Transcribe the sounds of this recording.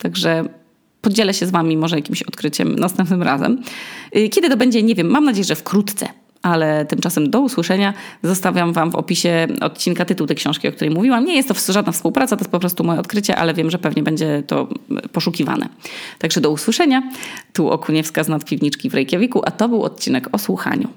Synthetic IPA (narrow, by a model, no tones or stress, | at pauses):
t̪aɡʐɛ | pɔd͡ʑɛlɛɕɛzvamʲimɔʐɛjakʲimɕɔt̪kɾɘt͡ɕɛ̰mnast̪ɛmpnɘmɾa̰zɛ̰m | kʲɛd̪ɘt̪ɔbɛɲd͡ʑɛɲɛvʲjɛmːamnad͡ʑejɛʐɛfkɾut̪t̪sɛ̰ | ʔalɛt̪ɘmt͡ʂasɛmd̪ɔuswɘʂɛɲazɔst̪avʲjamvamvɔ̰pʲiɕɛɔ̰t̪̚t͡ɕinkat̪ɘt̪uwt̪ɛjkɕɔ̃w̃ʂkʲiɔkt̪uɾɛjmuvʲiwamɲɛjɛst̪ːɔʐad̪nafspuwpɾat̪sat̪ɔjespɔpɾɔst̪umɔjɛɔt̪kɾɘt͡ɕɛ̰ʔa̰lɛvʲjɛmʐɛpɛvɲɛbɛɲd͡ʑɛt̪ɔ̰pɔʂukʲiva̰nʔɛ̰t̪aɡʐɛd̪ɔuswɘʂɛɲat̪uʔɔ̰kuɲɛfskaznat̪pʲivɲit͡ʂkʲivɾɛjkʲɛvʲikuʔat̪ɔbɘwɔ̰t̪̚t͡ɕinɛkɔswuxa̰ɲṵ